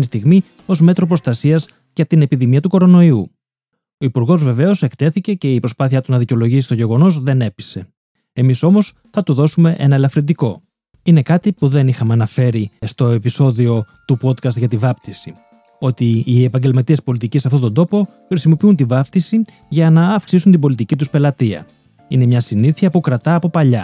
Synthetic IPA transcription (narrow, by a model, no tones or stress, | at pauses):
nist̪iɣmi | o̞zme̞t̪ɾo̞pɾo̞st̪ɐsiɐz | ʝɐt̪ine̞piðimiɐt̪uko̞ɾo̞no̞iu | o̞ipuɾɣo̞zve̞ve̞o̞se̞kt̪e̞θice̞ce̞ipɾo̞spɐθiɐt̪uznɐðiceo̞lo̞ʝisist̪o̞ʝe̞ɣo̞no̞zðe̞ne̞pi̥se̞ | emiso̞mo̞s | θɐt̪uðo̞sume̞ʔe̞̰nɐelɐfɾind̪iko̞ | ine̞kɐt̪ipuðe̞nixɐmeɐnɐfe̞ɾist̪o̞e̞piso̞ðio̞t̪upo̞t̪kɐst̪ʝɐt̪ivɐpt̪isi | o̞t̪iːe̞pɐɲɟe̞lmɐt̪ie̞spo̞lit̪icisːɐft̪o̞t̪o̞nd̪o̞po̞ | xɾisimo̞piunt̪ivɐpt̪isi | ʝɐnɐːfksis̬unt̪ibo̞lit̪icit̪uspe̞lɐt̪iɐ̰ | ine̞mɲɐsiniθiɐpukɾɐt̪ɐːpo̞pɐʎɐ